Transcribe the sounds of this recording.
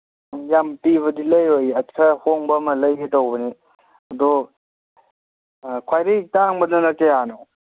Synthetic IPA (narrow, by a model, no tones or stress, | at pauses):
jampiβɐdilɐjojɐtkʰahoŋbɐmɐlɐjɦetowbɐni | ɐdɔ | kʰwajɾitaŋbɐnɐnɐkeano